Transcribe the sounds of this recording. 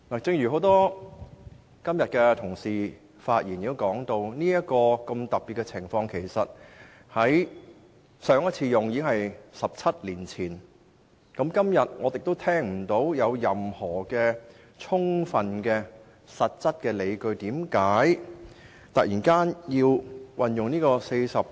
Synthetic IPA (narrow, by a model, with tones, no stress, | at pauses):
naː˨˩t͡sɪ˧ŋjy˨˩ɦo˨˥wt̪ɔː˥ | kɐ˥mjɐ˨t̚kɛː˧t̪ʰʊ˨˩ŋsiː˨˩ | faː˧t̚jiː˨˩njiː˧wkɔː˨˥ŋt̪o˧wniː˥jɐ˥t̚kɔː˧kɐ˧mt̪ɐ˨k̚piː˨t̚kːɛ˧t͡sʰɪ˨˩ŋfɔː˧ŋkʰe˨˩jsɐ˨t̚ | hɐ˨˥j | sœː˨˧ŋɐ˥t͡sʰiː˧jʊ˨ŋjiː˧˥ɪ˥ŋhɦɐ˨jsɐ˨p̚t͡sʰɐ˥t̚liː˨˩nt͡sʰiː˨˩n | kɐ˨˥mkɐ˥mjɐ˨t̚ŋɔː˨˧t̪ɪ˨k̚t̪o˥wt̪ʰɛː˥ŋm̩˨˩t̪o˨˥wjɐ˨˧wjɐ˨mhɔː˨˩kɛː˧ | t͡sʰʊ˥ŋfɐ˨nkɛː˧ | sɐ˨t̚t͡sɐ˥t̚kɛː˧le˨˧jkɵ˧ɥt̪iː˨˥mkaː˨˥j | t̪ɐ˨k̚jiː˨˩nkaː˥njiː˧wwʔɐ˨njʊ˨ŋniː˥kɔː˧se˧jsɐ˨p̚